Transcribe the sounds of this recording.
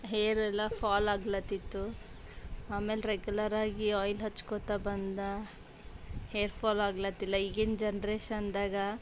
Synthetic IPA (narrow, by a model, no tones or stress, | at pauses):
ɦejɾɛlːɐpʰaːlaːɡlɐt̪ːit̪ːu | aːme̞ːlɾeɡjulɐɾaːɡiɔːjlɦɐt͡ʃːkot̪abɐnd̪ɐ | heːɾpʰaːlaːɡlɐt̪ːilːɐiɡend͡ʒɐnɾeːʃɐnd̪aːɡɐ